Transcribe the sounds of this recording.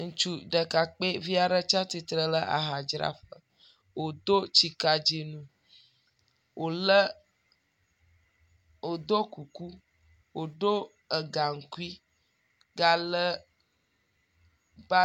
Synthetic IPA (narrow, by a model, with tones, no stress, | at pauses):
ŋũ˨t͡ʃu˦ɖə˨ka˨k͡pe˦vi˦a˨ɖə˦t͡ʃa˦t̪i˨t̪ɾə˦lə˦ʔa̰˨ɦa˨d͡ʒɾa̰˦ɸə˦ | wo˨d̪o˦t͡ʃi˨ka˨d͡ʒi˨nũ˦ | wʔo˨lə˦ | wo˨d̪o˦ku˨ku˦ | wo˨ɖo˦ | ə˨ɡa˨ŋ̩˨ku˦i˦ | ɡa˦lə˦ | ba˦